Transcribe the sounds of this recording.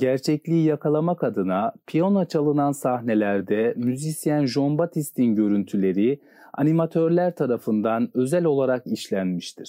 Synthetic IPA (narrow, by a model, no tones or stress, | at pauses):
ɟæɾt͡ʃʰɛclʲiːjakʰalˠamakad̪ɯnapʰijonat͡ʃʰalˠɯnansaɦne̞lʲæɾd̪ɛmyzisjænʒombat̪ʰist̪ʰinɟø̞ɾynt̪ʰylʲe̞ɾi | a̰nimat̪ʰø̞ɾlʲæɾt̪ʰaɾafɯnd̪anø̞zælʲo̞lˠaɾakiʃlʲænmiʃt̪ʰiɾ̥